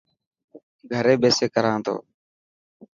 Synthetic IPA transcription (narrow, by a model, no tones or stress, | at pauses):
ɡʱəɾeːbeːseːkəɾãːnt̪ʰo̰ː